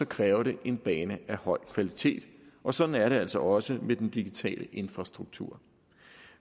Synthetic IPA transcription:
sɒ̽kʰʁɛːʊɐɾe̝ʔe̝nb̥ɛːnəæhɒ̽ɪ̰kʰʋælit͡sʰe̝̰ːd̥ʔɒ̽sɒ̽d̥n̩æɐɾe̝æl̰sɒ̽ʔɒ̽səmed̥end̥iɡ̥it͡sʰɛ̰ːlʔəʔe̝nfʁɑ̈sd̥ʁuɡ̥̚t͡sʰṵɐ̰

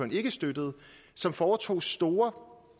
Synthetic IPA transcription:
ɒne̝ɡ̥əsd̥ød̥əð̞̩ˠ | sɒ̽mfɒːt͡sʰo̝̰ːsd̥o̝ːɐ

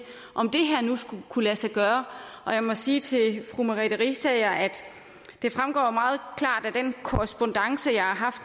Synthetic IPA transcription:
ʔɒ̽md̥e̝ɦæɐnusɡ̥ukʰulæsɑɡ̥ɶːɐʔɒ̽jɑ̈ɪmɒ̽siːt͡sʰe̝lfʁumæʁiɾəʁisɛːjɑæd̥ | d̥e̝fʁamɡ̥ɒ̰ːmɑ̈ːð̞̩ˠkʰlɑ̰̈ːd̥æd̥enkʰoʁɛsb̥o̽nd̥ɑ̈ŋsəjɑ̈ɪhɑ̈ɦɑ̈fd̥

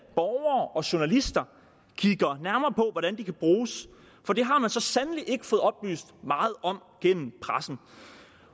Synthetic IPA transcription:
b̥ɒʊɐːɒ̽ɕo̝nælisd̥ɐ | kʰiɡ̥ɐnæɐmɐːpʰɒ̽ʋɒɾænd̥ikʰæb̥ʁuːs | fɒ̽d̥e̝ɦɑ̈mænsɒ̽sænəliʔe̝ɡ̥ə̥fɔ̽ːð̩ˠɒ̽b̥ly̰ːsd̥mɑ̈ːð̞̩ˠɒ̽m̰ɡ̥en̰m̩pʰʁasn̩

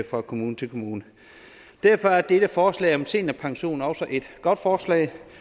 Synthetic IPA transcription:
fʁɑ̈kʰo̝muːnət͡sʰe̝lkʰo̝muːnə | d̥æɐfɒ̽æɐd̥eɾ̥əfɒːslɛ̰ːɪɒ̽mse̝̰ːnæpʰɑ̈ŋɕo̝̰ːnɒ̽ʊsɒʔe̝d̥ɡ̥ɒ̽d̥fɒːslɛ̰ɪ

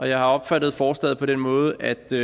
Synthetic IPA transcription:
ʔɒ̽jɑ̈ɪhɑ̈ɒ̽b̥fæd̥ð̩ˠfɒːsd̥ɛ̰ːð̩ˠpʰɒ̽d̥enmɔ̽ːð̞̩ˠəʔæd̥

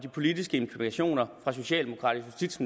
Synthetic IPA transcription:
d̥ipʰo̝lidisɡ̥əe̝mpʰliment͡sʰɕo̝̰ːnɐfʁɑ̈so̝ɕɛ̰ːld̥e̝mo̝kʰʁɑ̰ːd̥ijusd̥id̥sm

